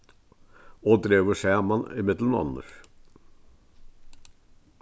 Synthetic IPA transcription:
oːd̪ɾeːʋəʃæːmɑnɪ̰mɪd̪lmnɑ̰nə̰ʂ

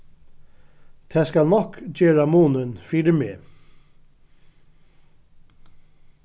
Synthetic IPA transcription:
t̪ʰæːskalnɔkd͡ʒeːɹamuːnənfiːɖəmeː

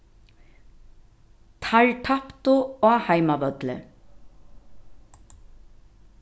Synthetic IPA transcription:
t̪ʰaɻʈ̪ʰapt̪ʊoːhajmabœt̪lə̰

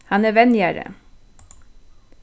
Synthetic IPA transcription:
hɑnæːʋɛnjæːɾə̰

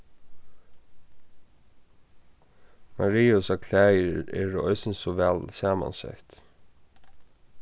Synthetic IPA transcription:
maɾiːʊsakʰlæːjɪɾɛːɾɔ̰ʏjsɪnsɔvɛːlsaːma̰nsɛ̰ht̪

